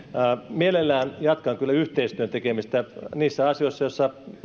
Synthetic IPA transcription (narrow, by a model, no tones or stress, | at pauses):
mielelːæːnjɑt̪kɑŋkylːæyht̪eist̪yønt̪ekemist̪æniːsːæɑsjoisːɑjosːɑ